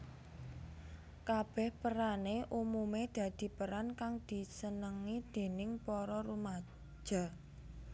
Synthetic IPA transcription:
kab̥ɛ̤hpəɾaneʔumumed̪̥ä̤d̪̥i̤pəɾankaŋd̪̥i̤sənəŋid̪̥e̤nɪŋpɔɾɔɾumḁ | ʒ̥a̤

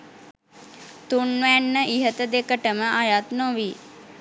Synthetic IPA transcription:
t̪unʋænːəʔiɦət̪əd̪ekəʈəməʔajat̪noʋi

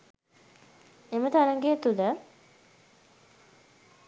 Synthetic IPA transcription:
emət̪aɾəŋɡet̪ulə

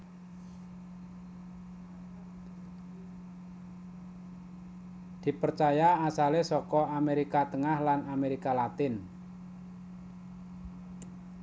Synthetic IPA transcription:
d̪̥i̤pərt͡ʃajaasalesɔkɔameɾikat̪əŋahlanameɾikalat̪ɪn

